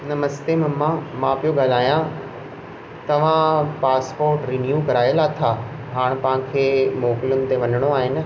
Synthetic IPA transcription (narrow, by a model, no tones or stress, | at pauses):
nɐmɐsd̪emɐmːãmãpijoɡaːlaːijã | t̪ɐʋ̤ãpaːspoːɾʈɾiːnjuːkɐɾaːjlat̪ʰa | ɦaːɽ̃pɐʋãkʰeːmɔːkɪlʊnɪ̆t̪eʋɐnəɽ̃oaːɦɪnɪ̆